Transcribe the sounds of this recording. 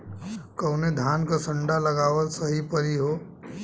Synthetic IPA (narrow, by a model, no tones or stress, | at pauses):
kəʊned̪ʱaːnkasə̃ɳɖaləɡaːʋəlsəɦipəɾiɦoː